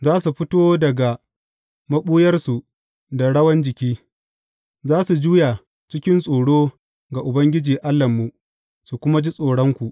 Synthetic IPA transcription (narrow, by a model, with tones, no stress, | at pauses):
zaː˦su˨ɸɪ˦toː˦dɐ˨ɡa˨ | mɐ˦ɓuː˦jɐ˦rsu˨ | da˨ɽɐ˦wɐ˦nd͡ʒɪ˨kʲiː˦ | zaː˦su˨d͡ʒuː˦ja˨ | t͡ʃɪ˦kʲɪ˦nsʼoː˨ɽoː˦ | ɡa˨ʔʊ˨bɐ˦ŋɡʲɪ˦d͡ʒiː˨ʔa˦lːɐ˨mːu˨ | su˨kʷʊ˦ma˦d͡ʒi˦sʼoː˨ɽɔ˦ŋkʷu˨ʔ